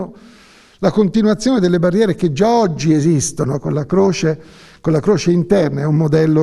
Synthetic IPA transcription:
o | lakont̪inwat̪sːjoːned̪elːebarːjɛːɾeked͡ʒːaɔd͡ʒːiezist̪onokolːakɾoːt͡ʃe | konlakɾoːt͡ʃeint̪ɛrnaɛumːod̪ɛlːo

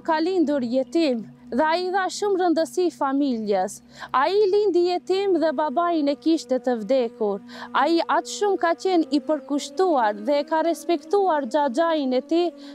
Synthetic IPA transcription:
kalind̪uɾjɛt̪imðɛaiːðaʃumrənd̪əsifamiljɛs | ailind̪ijɛt̪imðɛbabajinɛkiʃt̪ɛt̪əvd̪ɛkuɾaiʔat̪ʃumkacɛnipəɾkuʃt̪uaɾðɛkaɾɛspɛkt̪uaɾd͡ʒad͡ʒajinɛt̪i

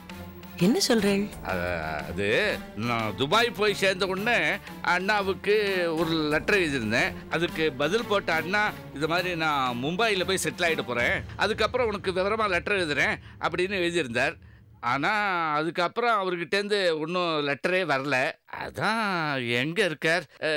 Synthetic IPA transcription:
ɛnːɐsɔlɾẽːʔɐ̰ɐ̰ðɯnã̰ːd̪ʊbaːjipoːjseːɾnd̪ɐɔɳːɯ | ʔɐɳːaɐʋɯkːɯɔɾɯlɛʈːɾɐɛɭðɪɾɯnd̪ẽːʔɐðɯkːɯbɐðɪlpoːʈːɐɐɳːaː | ɪnd̪ɐmaːðɾinãːmʊmbaːjɪlɐpoːjisɛʈːlaːjɪʈːɯpoːɾẽːʔɐ̰ðɯkːɐpːɯɾɔ̃ɔnɐkːɯʋɪʋɐɾɐmaːlɛʈːɐɾɐʋɛðɯɾẽːʔɐ̰pːɐɽɪnːɯɛːðɪɾɯnd̪aːɾ | ʔaːnaːɐðɯkːɐpːɯɾɔ̃ɐʋɐɾɯkɪʈːeːnd̪ɯɔnːɯ̃lɛʈːɐɾeːʋɐɾɐlɐɐ̰ðãːɛŋɡɐɪɾɯkːaːɾ

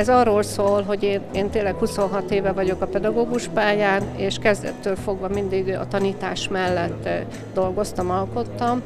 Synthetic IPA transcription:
ɛzɒroːlsoːlɦo̞ɟeːneːnt̪eːlːɛkhuso̞nɦɒt̪eːvɛvɒɟo̞kɒpɛd̪ɒɡoːɡuʃpaːjaːneːʃkɛzd̪ɛ̰t̪ːøːlfo̞ɡvɒmind̪iɡɒ̰t̪ɒniːt̪aːʃmɛlːɛt̪ː | d̪o̞lɡo̞st̪ɒmɒlko̞t̪ːɒm

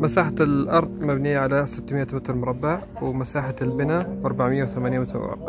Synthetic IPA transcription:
masaːħalʔɑɾˤðˤmabnijːaʕalasɪt̪ːmɪʔamɪt̪ɾˤmʊɾˤɑbːaʕ | wmasaːħalbɪnaʔɑɾˤbaʕmɪjːawθamaːniːmɪt̪ɾmʊ̰ɾˤɑ̰bːa̰ʕ

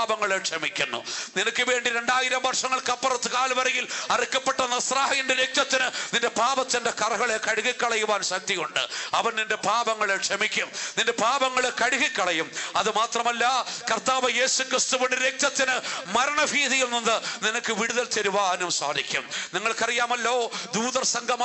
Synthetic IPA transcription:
bɐŋːɐɭekʂɐmikʲːunːṵninɐkːɨʋe̞ːɳɖiɾe̞ɳɖaːjiɾɐmʋɐrʂɐŋːɐɭkɐpːɐrɐt̪ːɨkaːlʋɐɾɐjilɐrikːɐpːeʈːɐnːɐsraːɦɐjindeɾek̚t̪jɐt̪ːinɨninde̞paːbɐt̪ːindekɐrɐɣɐɭekɐɽuɣikʲːɐɭɐjuʋaːnɕɐk̚t̪ijuɳɖɨ̰ɐʋɐnninde̞paːbɐŋːɐɭekʂɐmikʲːumnindepaːbɐŋːɐɭekɐɽuɣikʲːɐɭɐjumɐðɨmaːt̪rɐmɐlːɐkɐrt̪aːʋɐje̞ːsukrist̪uʋoɳɖɨɾek̚t̪jɐt̪ːinɨmɐɾɐɳɐbʱiːðɐjunːinːɨninɐkːɨʋiɽuðɐlt̪eɾuʋaːɦɐnɐmsa̰ːd̪ikʲːumniŋːɐɭkɐrijaːmɐlːo̞ːd̪uːðɐrsɐŋɡʱɐm

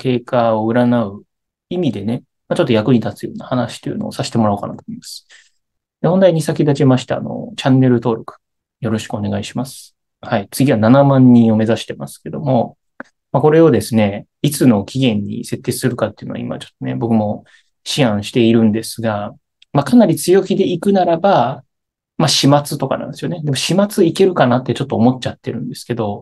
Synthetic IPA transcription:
ke̞ːkaoɯ̟ɾanaɯ̟ | imʲid̪e̞ne̞ | mat͡ɕo̞t̪ːojakɯ̟ɲ̟it̪at͡sɨjo̞̰ːnahanaɕi̥t̪ːojɯ̟noosaɕi̥t̪e̞mo̞ɾaokana̰kɯ̥t̪omimasɨ̥ | d̪ehõ̞nd̪aiɲ̟isakʲid̪at͡ɕimaɕi̥t̪aa̰no̞̰t͡ɕãnːe̞ɾɯ̟t̪o̞ːɾo̞kɯ̟̥ | jo̞ɾo̞ɕi̥kɯ̟one̞ɡaiɕimasɨ̥ | hait͡sɨɡʲiβananamãɲ̟ːĩo̞me̞zaɕi̥t̪e̞masɨ̥ke̞d̪o̞mo̞ | mako̞ɾe̞od̪e̞sɨne̞ | it͡sɨno̞kʲiɡẽ̞ɲ̟ːḭse̞t̪ːesɨɾɯ̟kat̪ːeiɯ̟noa̰ḭma̰at͡ɕo̥t̪ːone̞̰bo̞kɯ̟mo̞ | ɕiãɰ̃ɕi̥t̪e̞iɾɯ̟̃nd̪e̞sɨɡa | makanaɾʲit͡sɨjo̞kʲid̪e̞ikɯ̟naɾaba | maɕimat͡sɨt̪o̞ka̰nã̰nd̪sijoned̪emo̞ɕimat͡sɨike̞ɾɯ̟kanat̪ːe̞t͡ɕo̞t̪ːoːmo̞t͡ɕat̪ːe̞ɾɯ̟̃nd̪e̞sɨ̥ke̞d̪o̞

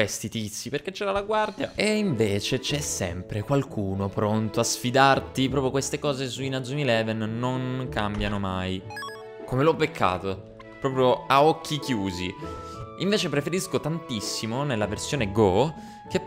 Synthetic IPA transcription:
est̪it̪it̪sːiperk̟et͡ʃːɛːɾalaɡward̪jaeiɱveːt͡ʃet͡ʃɛsːɛ̰mpɾekwalkʰuːnopɾont̪oasfid̪art̪ipɾɔːpɾjokwest̪ekɔːzesuinad̪zumilɛvɛnːoŋkambjanomaj | komelɔpːekʰːa̰ːt̪o | pɾɔːpɾjoaɔkʰːik̟juːzi | iɱveːt͡ʃepɾefeɾiskot̪ant̪isːimonelːaversjoːneɡɔ | ke

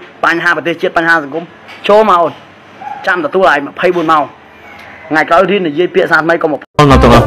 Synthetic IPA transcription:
paɲɦaːprət̪eːht͡ɕiət̪̚paɲɦaːsɑŋkum | t͡ɕoːlmaɔn | t͡ɕamt̪ɔt̪uəlʔaːjmə̆pʰəjɓuənmaɔŋ | ŋaɛjkɾaɔjriənijiəjpiəʔsaːt̪ʰməjkoməpʰnət̪uŋʔɑ

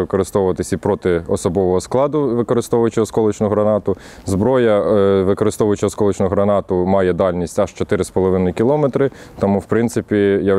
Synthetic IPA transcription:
ɪkɔɾɪst̪ɔwʊʋɐt̪ɪsʲipɾɔt̪ɪɔsɔbɔʋɔɦɔsklˠɑd̪ʊʋɪkɔɾɪst̪ɔʋʊjʊt͡ʃɪɔskɔlˠʊt͡ʃnʊɦɾɐnɑt̪ʊ | zbɾɔjɐʋɪkɔɾɪst̪ɔʋʊjʊt͡ʃɪɔskɔlˠʊt͡ʃnʊɦɾɐnɑt̪ʊmɑjɛd̪ɑlʲnʲisʲtʲɐʃt͡ʃɔt̪ɪɾɪspɔlˠɔʋɪnʊjkʲilˠɔmɛt̪ɾɪ | t̪ɐmuwpɾɪnt̪sɪpʲija

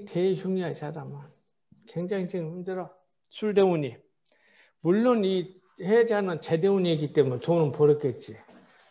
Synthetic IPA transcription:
tʰeçjuŋiɦansʰaɾamɯn | kweŋd͡ʑaŋd͡ʑiŋhimdɯɾʌ | sʰuɭdeuɲi | muɭːoni | hed͡ʑanɯnt͡ɕedeuɲiiɡit͈emunetonɯnpoɾɯk͈et̚t͡ɕ͈i

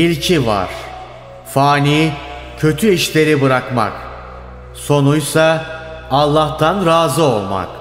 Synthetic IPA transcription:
ilʲcʰiva̰ɾ̥ | faːnicʰø̞t̪ʰyiʃlʲe̞ɾibɯɾakma̰k | so̞nujsaː | lˠːaht̪ʰanɾaːzɯo̞lˠma̰k

